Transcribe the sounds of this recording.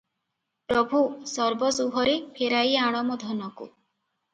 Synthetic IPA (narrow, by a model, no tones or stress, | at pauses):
pɾɔbʱusɔɾbɔsuɦɔɾepʰeɾajaɽ̃ɔmɔd̪ʱɔnɔkṵ